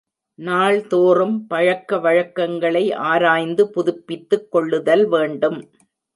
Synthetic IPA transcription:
naːɭt̪oːrɯmpɐɻɐkːɐʋɐɻɐkːɐŋɡɐɭɐɪʔaːɾaːjnd̪ɯpʊðʊpːɪt̪ːɯkːɔɭːɯðɐlʋeːɳɖɯm

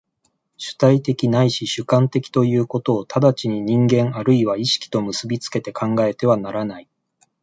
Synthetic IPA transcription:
ɕɨ̥t̪ait̪e̞kʲinaiɕiɕɨkãnt̪e̞kʲi̥t̪o̞jɯ̟ːko̞t̪o̞ːt̪ʰad̪at͡ɕiɲ̟iɲ̟ĩŋɡẽ̞ɰaɾɯ̟iβaiɕi̥kʲi̥t̪o̞mɯsɨbʲit͡sɨ̥ke̞t̪e̞kʰãŋɡae̞t̪e̞βanaɾanai

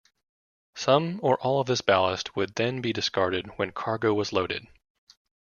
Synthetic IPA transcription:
sʌ̃mə˞ʔɔlˠʌvðɪsb̥ælˠəst̚ʰwəd̪̚ðɨ̃nbidɨskɑɹɾɨd̚wɨ̃nkʰɑɹɡoʊwʌzloʊɾɨ̰d̥

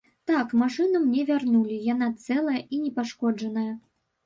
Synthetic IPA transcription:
t̪akmaʂɨnɐmnʲɛvʲarnulʲijanat̪sɛlˠɐjɐʔinʲɛpaʂkɔd͡ʐɐnɐjɐ

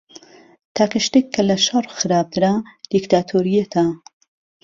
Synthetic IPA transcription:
t̪ʰaːkɐʃt̪ekʰːɐlɐʃɐrˤxɨɾaːb̚d̪ɨɾad̪̥ikt̪ʰaːt̪ʰoːɾijɐt̪ʰa

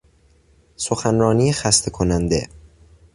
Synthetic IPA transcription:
soxænɾɒːniːexæst̪ʰekʰonænd̪e̞̰

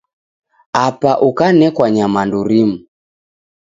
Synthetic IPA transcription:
apaʔukanɛkwaɲamanduɾimu

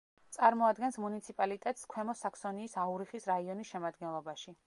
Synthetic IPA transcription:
t̪sʼaɾmɔad̪ɡɛnsmunit̪sʰipʼalit̪ʼɛt̪ʼskʰwɛmɔsaksɔniːsauɾiχisɾaiɔnisʃɛmad̪ɡɛnlˠɔbaʃi

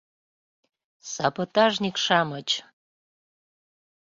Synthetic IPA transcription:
sɑbot̪ɑʒnʲikʃɑmət͡ɕ

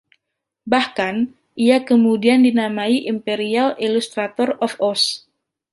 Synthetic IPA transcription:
bahkan | ʔijakəmudiandinamaiʔimpeɾialʔilust̪ɾat̪ɔrɔfɔs

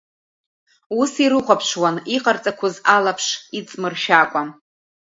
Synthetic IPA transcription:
usiɾɨχʷapʰʂwaniqʼart͡sʼakʷʰʊzalapʰʂit͡sʼmɨrʃakʷʼa

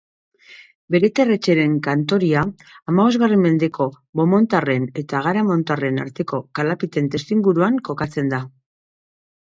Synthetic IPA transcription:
be̞ɾe̞t̪ere̞t͡ʃe̞ɾe̞ŋkant̪o̞ɾiaː | maβo̞zɣare̞mme̞nd̪e̞ko̞ | βo̞mo̞nt̪are̞ne̞t̪aɣ̞aɾamo̞nt̪are̞na̰ɾt̪e̞ko̞kalapit̪e̞nt̪e̞st̪iŋɡuɾuaŋko̞kat͡se̞nd̪a

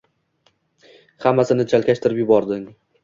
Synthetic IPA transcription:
hamːasɪnɪt͡ʃʰalˠkʲaʃt̪ʰɪɾɪpjʊbɒɾd̪ɪŋ

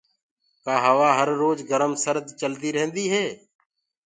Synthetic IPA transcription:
kaːɦəʋaːɦəɾːoːd͡ʒɡəɾəmsəɾd̪t͡ʃəld̪iːɾəɦə̃nd̪iːɦeː

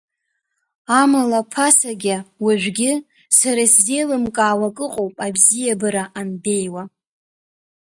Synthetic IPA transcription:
amalapʰasaɡʲawaʒᶣʷɡʲɪ | saɾaszejlɨmkʼaːwakʼɨqʼowpʼabzijabɨɾaʔanbe̞jwa

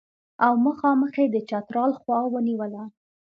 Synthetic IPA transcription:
awməxɑməxed̪ət͡ʃɑt̪ɾɑlxwɑwəniwəla

